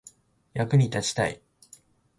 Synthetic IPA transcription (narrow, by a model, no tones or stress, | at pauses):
jakɯ̟ɲ̟it̪at͡ɕi̥t̪a̰ḭ